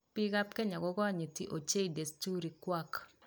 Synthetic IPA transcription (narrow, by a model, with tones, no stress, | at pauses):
pɪ˦ɡa˦p̚kɛ˦ɲa˨ɡɔ˦ɡa˦ɲi˨ti˨ʔo˨t͡ʃe˦i˨de˨stu˦ɾi˨kwa˦k